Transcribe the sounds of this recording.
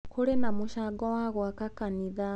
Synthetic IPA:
kulenamuʃaɡɔwaɣwakakaniða

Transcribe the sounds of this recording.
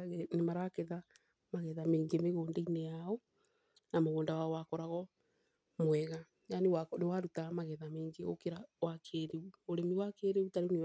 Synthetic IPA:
nemaɾakeða | maɣɛðameːŋɡemeɣoːndainejaɔ | namoɣoːndawaɔwakɔɾaɣɔ | mwɛɣa | janewanewaɾutamaɣɛðameːŋɡeokeɾawakʰeɾeuoɾemiwakeːɾeutaɾene

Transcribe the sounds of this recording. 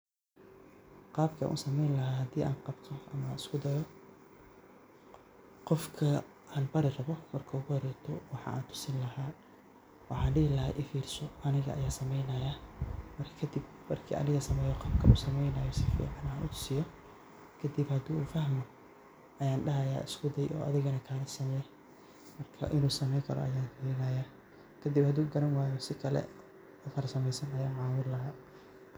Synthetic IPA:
qɑːbkʰɐ̰ʔṵːsɐmɛjnlɐɦaːhɐd̪iːʔa̰ːnqɑbt̪ʰɔʔɐmɐɪskʰʊd̪ɐjɔ | qɔfkʰɐ | ʔaːnbɐɾɪrɐβɔmɐrkʰɐuɣʊhɾɛt̪ʰɔwɑħɑ̰ːʔa̰ːnt̪ʰʊ̥sɪnlɐɦaː | wɑħɑːɖɪɪlɐhaʔɪfiːrsɔʔɐnɪɣɐ̰ʔɐ̰jaːsɐmɛjnɐjamɐrkʰɐ̥kʰɐd̪ɪbmɐrkʰḭːʔɐ̰nɪɣɐsɐmɛjɔqɐb̚kʰɐʔuːsɐmɛjnɐjɔsɪfḭːʕɑnaːnʔʊt̪ʰʊ̥sɪjɔ | kʰɐd̪ɪbhɐd̪uːuːfɐhmɔ | ʔɐjaːnɖɐɦɐja̰ːʔɪskʰʊd̪ɛjɔ̰ːʔɐ̰ðɪɣɐnɐkʰaːlɐsɐmɛɛ | mɐrkʰɐ̰ʔɪnuːsɐmɛjkʰɐɾɔ̰ʔɐ̰jaːnfiːɾɪnɐjaː | kʰɐd̪ɪbhɐd̪uːɡɐɾɐnwaːjɔsɪkʰɐlɛ̰ | ʊfɐɾsɐmɛjsɐnɐjaːʕɑːwʊɾlɐɦaː

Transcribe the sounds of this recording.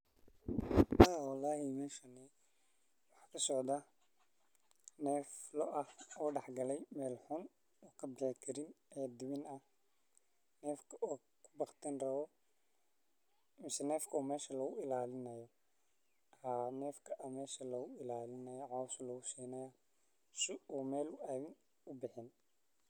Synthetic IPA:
aːwɑlːɑːɦɪmɛːʃɐnɪ | wɑħkʰɐsɔʕd̪ɐ | nɛːflɔʔɐhɔːɖɑħɡɐlɛjmɛːlħʊn | ɔːkʰɐbɪħɪkʰɐɾɪnɛːd̪ɪβɪnɐh | nɛːfkʰɐʔɔː | kʰʊ̥bɑqt̪ʰɛnrɐβɔ | mɪsɛnɛːfkʰɐɔːmɛːʃɐlɐɣʊɪlaːlɪnɐjɔ | haːnɛːfkʰɐʔɐmɛːʃɐlɐɣʊɪlaːlɪnɐjɔʕɔːsʊlɐɣʊsiːnɐja | sɪuːmɛːlʊaːðɪn | ʊbɪħɪn

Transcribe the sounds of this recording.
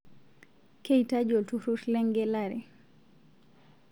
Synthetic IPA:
kejtad͡ʒoltuɾutlɛŋɡɛlaɾɛ̰

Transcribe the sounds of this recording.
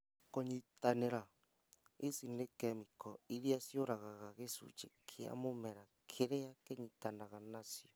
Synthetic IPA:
koɲitaneɾa | esinekɛmikɔiɾiasjoɾaɣaɣaɣesṵt͡ʃekʰea̰momɛɾakʰeɾeakeɲitanaɣanasjɔ

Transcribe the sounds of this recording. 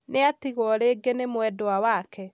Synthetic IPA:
neatiɣwɔɾeːɡenemwɛdoawakʰɛ

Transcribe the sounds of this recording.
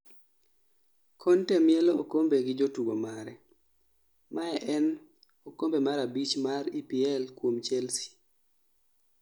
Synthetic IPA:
kʰɔntɛmɪɛlookombeɡɪd͡ʒotuɡomaɾɛ | maɛʔɛn | okombemaɾabit͡ʃmaɾipiɛlkwomt͡ʃɛlsi̥

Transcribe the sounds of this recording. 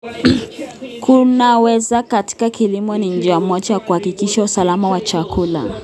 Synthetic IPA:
kʰunawɛzakati̥kakilimɔniɲ̩d͡ʒiamwɔt͡ʃajakuhakikiʃausalamawat͡ʃakula̰

